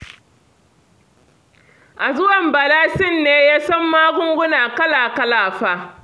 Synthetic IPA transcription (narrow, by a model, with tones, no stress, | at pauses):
ʔa˨zʊ˦wɐ˨mbɐ˨laː˦sɪ˦˨nːeː˦jaː˦sɐ˦mːaː˦ɡʷʊ˦ŋɡʷʊ˦naː˨kɐ˦laː˨kɐ˦laː˨ɸaː˦